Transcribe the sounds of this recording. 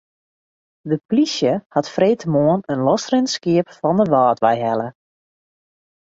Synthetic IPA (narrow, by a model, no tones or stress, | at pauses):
dəplisjəhatfreːtʰəmoənənlɔsrɪnskiəpfɔndəʋaːtʋɛjɦɛlə